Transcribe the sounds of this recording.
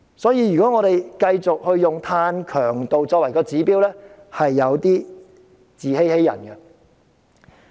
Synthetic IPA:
sɔː˨˥jiː˨˧jɥyː˨kɔː˨˥ŋɔː˨˧ɾe˨jkɐ˧jt͡sʊ˨k̚hɵ˧ɥːʊ˨ŋt̪ʰaː˧nkʰœː˨˩ŋt̪o˨wt͡ʃɔː˧k̚wɐ˨˩jkɔː˧t͡siː˨˥piː˥wlɛː˥ | hɐ˨jːɐ˨˧wt̪iː˥ | t͡siː˨he˥jhe˥jɐ̰˨˩nɡɛ˧

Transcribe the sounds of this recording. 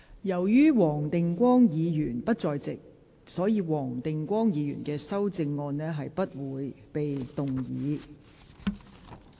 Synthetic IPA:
jɐ˨˩wjyː˥wɔː˨˩ŋt̪ɪ˨ŋkʷɔː˥ŋjiː˨˧jyː˨˩npɐ˥t̚t͡sɔː˨jt͡sɪ̰˨k̚ | sɔː˨˥jiː˨˧wɔː˨˩ŋt̪ɪ˨ŋkʷɔː˥ŋjiː˨˧jy̰ː˨˩nkɛː˧sɐ˥wt͡sɪ˧ŋːɔː˧nnɛː˥ɦɐ˨jpɐ˥t̚wuː˨˧j | pe˨jt̪ʊ˨ŋjḭː˨˥˦

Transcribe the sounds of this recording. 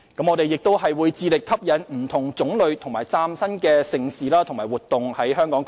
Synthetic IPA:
kɐ˨˥mŋɔ˨˧t̪e˨jːɪ˨k̚t̪o˥wɦɐ˨jwuː˨˧jt͡siː˨˧lɪ˨kʰːɐ˥p̚jɐ˨˥nm̩˨˩t̪ʰʊ˨˩ŋt͡sʊ˨˥ŋlɵ˨˧ɥt̪ʰʊ˨˩ŋmaː˨˩jt͡saː˥msɐ˥nkɛː˧sɪ˨˩ŋsiː˨laː˥t̪ʰʊ˨˩ŋmaː˨˩wuː˨t̪ːʊ˨ŋhɐ˨˥jɦœː˥ŋkɔː˨˥ŋ

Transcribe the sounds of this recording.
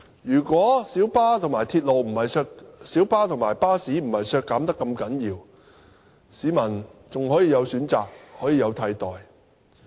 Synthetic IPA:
jyː˨˩kʷɔː˨˥siː˨˥wpaː˥t̪ʰʊ˨˩ŋmaː˨˩jt̪ʰiː˧t̚lo˨wm̩˨˩hɐ˨jsœː˧ksiː˨˥wpaː˥t̪ʰʊ˨˩ŋmaː˨˩jpaː˥siː˨˥m̩˨˩hɐ˨jsœː˧kːaː˨˥mt̪ɐ˥kːɐ˧mkɐ˨˥njiː˧w | siː˨˧mɐ˨˩nt͡sʊ˨ŋhɔː˨˥jiː˨˧jɐ˨˧wsyː˨˥nt͡saː˨k̚hɔː˨˥jiː˨˧jɐ˨˧wt̪ʰɐ˧jt̪ɔː˨j

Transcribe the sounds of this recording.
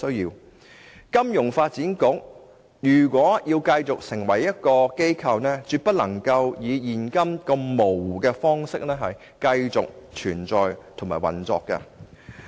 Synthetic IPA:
ɵ˥ɥjiː˧w | kɐ˥mjʊ˨˩ŋfaː˧t̚t͡siː˨˥nkʊ˨˥k̚ | jyː˨˩kʷwʷɔː˨˥jiː˧wkɐ˧jt͡sʊ˨k̚sɪ˨˩ŋwɐ˨˩jːɐ˥t̚kɔː˧ke˥jkʰɐ˧wnɛː˥t͡syː˧t̚pɐ˥t̚lɐ˨˩ŋkɐ˧wjiː˨˧jiː˨˩nkɐ˥mkɐ˧mmo˨˩wkɛː˧fɔː˥ŋsɪ˥k̚nɛː˥ɦɐ˨j | kɐ˧jt͡sʊ˨k̚t͡ʃʰyː˨˩nt͡sɔː˨jt̪ʰʊ˨˩ŋmaː˨˩jwɐ̰˨˩nt͡sɔ̰ː˧kːɐ̰˧

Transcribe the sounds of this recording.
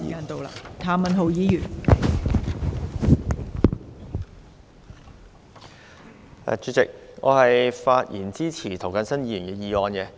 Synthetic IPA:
ḭ˨aː˧nt̪o˨wla̰ː˧˩t̪ʰaː˨˧mɐ˨nɦo˨wjiː˨˧jyː˨˩n | ɛ̰˨t͡ʃyː˨˧t͡sɪ˨k̚ŋɔ̰ː˨˧hɐ˨jfaː˧t̚jiː˨˩nt͡siː˥t͡sʰiː˨˩t̪ʰo˨˩wkɐ˨˥nsɐ˥njiː˨˧˩yː˨˩nɛː˧jiː˨˧ɔː˨˧nkɛ˧

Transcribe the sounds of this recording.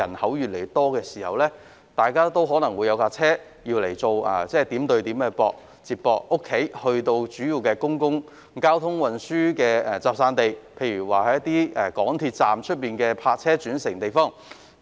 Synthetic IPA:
ɐ˨˩nhɐ˨˥wjy˨le˨˩˨t̪ɔː˥kɛː˧siː˨˩hɐ̰˨wlɛː˥ | t̪aː˨jkaː˥t̪o˥wɦɔː˨˥nɐ˨˩ŋwu˨˧jɐ˨˧wkaː˧t͡sʰɛː˥ | ji˧wle˨˩jt͡so˨˧wa̰ː˨t͡sɛː˥˩t̪iː˨˥mt̪ɵ˧ɥt̪iː˨˥mkɛː˧pɔ̰ː˧k̚ | t͡siː˧˩p̚pːɔː˧k̚ʔʊ˥kʰːe˨˥jhɵ˧ɥt̪o˧wt͡ʃyː˨˥ji˨˧wkɛː˧kʊ˥ŋkʊ˥ŋ | kaː˥wt̪ʰʊ˥ŋwɐ˨˩nsyː˥kɛː˧ɛ˨˩t͡saː˨p̚saː˧nt̪e˨jpʰe˧jɥyː˨˩waː˨˩hɐ˨˥jɐ˥t̪iː˥ɛː˨˩kɔː˨˥ŋt̪ʰiː˧t̚t͡saː˨mt͡ʃʰɵ˥t̚miː˨nkɛː˧pʰaː˧t̚t͡sʰɛː˥t͡ʃyː˨˥nsɪ˨˩ŋt̪e˨jfɔː˥˩ŋ

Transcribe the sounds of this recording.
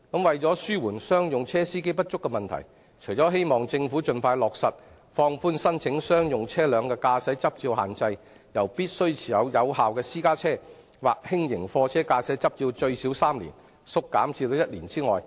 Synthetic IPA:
kɐ˨˧˥mwɐ˨jt͡sɔː˨˥syː˥wuː˨˩nsœː˥ŋjʊ˨ŋt͡sʰɛː˥siː˥ke˥jpɐ˥t̚t͡ʃʊ˥kːɛ˧mɐ˨nt̪ʰɐ̰˨˩j | t͡ʃʰɵ˨˩jt͡ʃɔ˨˥ɦe˥jmɔː˨˩ŋt͡sɪ˧ŋfu˨˥t͡ʃɵ˧nfaː˧jlɔː˨k̚sɐ˨t̚ | fɔː˧ŋfuː˥nsɐ˥nt͡sʰɪ˨˥ŋsœː˥ŋjʊ˨ŋt͡sʰɛː˥lœː˨˧ŋkɛː˧kaː˧sɛ˨˥t͡sɐ˥p̚t͡siː˧wɦa̰ː˨nt͡sɐ˧j | jɐ˨˩wpiː˥t̚sɵ˥ɥt͡sʰiː˨˩jɐ˨˧wjɐ˨˧whaː˨wkɛː˧siː˥kaː˥t͡sʰɛː˥ | waː˨k̚hɪ˥ŋjɪ˨˩ŋfɔː˧t͡sʰɛː˥kaː˧sɛː˨˥t͡sɐ˥p̚t͡siː˧wt͡ʃɵ˧ɥsiː˨˥wsaː˥mlḭ˨˩n | sʊ˥kːa̰ː˨˥mt͡siː˧t̪o˨˧jɐ˥t̚liː˨˩nt͡siː˥ŋɔ̰ː˨j

